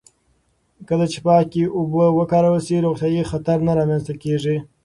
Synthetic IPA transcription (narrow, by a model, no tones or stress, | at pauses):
kəlat͡ʃepɑkiʊbəwəkɑɾawəlsiɾuɣt̪jɑjixat̪aɾnaɾɑmanst̪akeʐi